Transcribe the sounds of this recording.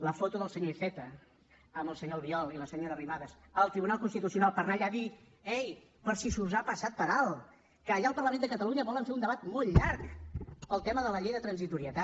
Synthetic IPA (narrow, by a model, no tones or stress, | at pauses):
ləfot̪uðəlˠsəɲoifɛt̪ə | əmbəlˠsəɲoβiɔlˠiləsəɲoɾəriβaðəsəlˠt̪ɾiβunalˠkunst̪it̪usiunalˠpəɾnaʎaði | ɛj | pəɾsisuzapəsat̪̚pəɾalˠ | kəːʎaəlˠpərɾləmẽnd̪əkət̪əluɲəβɔləɱfeund̪əβat̪molˠʎaɾkpəlˠt̪ɛməðələʎejðət̪ɾənzit̪uɾiət̪a